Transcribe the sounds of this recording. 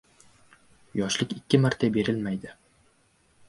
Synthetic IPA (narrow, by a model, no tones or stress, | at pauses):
jɒʃlɪkʲɪkʲːɪmaɾt̪ʰabe̞ɾɪlmajd̪ɪ